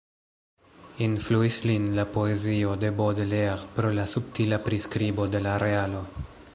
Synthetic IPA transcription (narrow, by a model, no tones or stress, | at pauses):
influislinlapo̞ezio̞de̞bod̪leʁpɾolasup̚tilapɾiskɾibo̞de̞laɾealo̞